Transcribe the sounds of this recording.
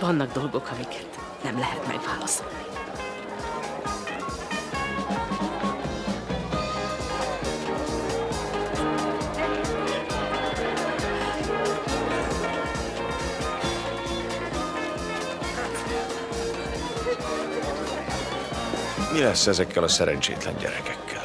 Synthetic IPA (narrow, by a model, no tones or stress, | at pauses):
vɒnːɒɡd̪o̞lɡo̞kʰɒmikʰɛ̥t̪ | nɛmlɛɦɛt̪mɛ̰ɡvaːlɒsolni | milɛsːɛzɛkːɛlɒsɛɾɛnt͡ʃḛːt̪lɛ̰ɲɟɛ̰ɾɛkɛkːɛl